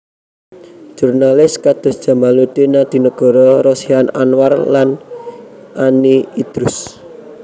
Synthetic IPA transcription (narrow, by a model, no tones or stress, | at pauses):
ʒ̥urnalɪskad̪̥ʊ̤sd̥ʒ̥a̤malut̪inad̪̥i̤nəɡ̥ɔ̤ɾɔɾɔsiana̰nwarlan | ʔaniid̪̥ɾʊs